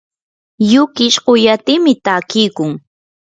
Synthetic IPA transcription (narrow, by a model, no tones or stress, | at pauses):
jʊkɪʃɢʊjat̪ɪmɪt̪aːkɪjkʊŋ